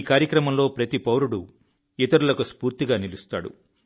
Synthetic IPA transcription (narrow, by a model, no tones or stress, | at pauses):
kaːɾjɐkɾɐmɐmlo̞ːpɾɐt̪ipɐwɾuɽu | it̪ɐɾulɐkuspuːɾt̪iɡaːnilust̪aːɽṵ